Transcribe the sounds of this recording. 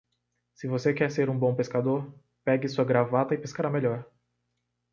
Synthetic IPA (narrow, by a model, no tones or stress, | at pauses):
sɪvosekɛɾseɾũbõpeskad̪oɾ | pɛɡɪsuɐɡɾavat̪ɐɪpeskaɾameʎɔɾ